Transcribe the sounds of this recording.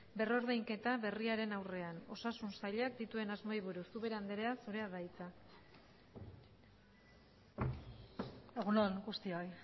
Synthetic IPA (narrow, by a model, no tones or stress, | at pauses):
be̞ro̞ɾðejŋke̞t̪aβe̞riaɾe̞nawre̞ano̞sasunsaʎakd̪it̪ue̞nazmo̞iβ̞uɾusuβe̞ɾand̪eɾe̞asuɾe̞aðajt͡sa | eɣunonɡust̪ioj